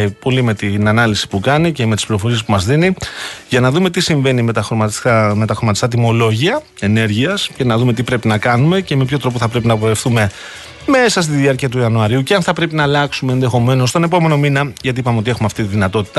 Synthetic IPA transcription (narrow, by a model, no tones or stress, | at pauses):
po̞lime̞t̪inɐnɐlisi̥pukɐniceme̞t̪ispliɾo̞fo̞ɾie̞spumɐzðiniʝɐnɐðume̞t̪isiɱve̞nimet̪ɐxɾomɐtsɐme̞t̪ɐxɾomɐt̪ist̪ɐt̪̬imo̞lo̞ʝiɐ | e̞ne̞ɾʝiɐsce̞nɐðume̞t̪ipɾe̞pinɐkɐnume̞ce̞me̞pço̞t̪ɾo̞poθɐpɾe̞pinɐpoefθume̞ | me̞sɐst̪iðiɐɾciɐt̪̬uiɐnuɐɾiuceɐnθɐpɾe̞pinɐːlɐksumeːnðe̞xo̞me̞no̞st̪o̞ne̞po̞me̞no̞minɐʝɐt̪iipɐmeo̞t̪ie̞xumeɐft̪it̪iðinɐt̪o̞t̪i̥t̪ɐ